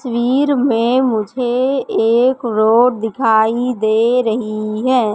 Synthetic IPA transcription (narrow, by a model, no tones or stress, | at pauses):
swiːɾmẽmʊd͡ʒʱeeːkɾoːɾd̪ɪkʰaːid̪eːɾəɦiɦɛː